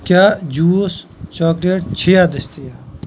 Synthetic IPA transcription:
kjaːd͡ʒuːst͡ʃɔːkleːʈ̚t͡ʃʰeːaːd̪əʃt̪ijaː

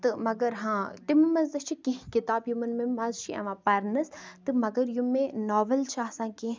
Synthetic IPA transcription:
t̪ɨmɐɡɐɾɦãːt̪imɨmɐzd̪ɐt͡ʃʰikĩɦkit̪aːbjumɐnmimɐzt͡ʃʰiʔɐ̰ʋãːpɐɾnɐst̪ɨmɐɡɐɾjumːẽnɔːʋɐlt͡ʃʰaːsãːkĩ

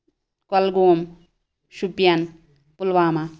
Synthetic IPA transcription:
kɐlɡoːm | ʃupjan | pulʋaːma

